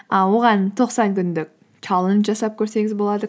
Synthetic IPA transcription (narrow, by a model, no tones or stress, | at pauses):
əwo̞ʁɑnt̪ʰo̞qsɑŋkʲʏnd̪ɪk̚ʲ | kʲʰɑlˠənʒɑsɑp̚kʲʰɵɾse̞ŋʲɪzbo̞lˠɑd̪ə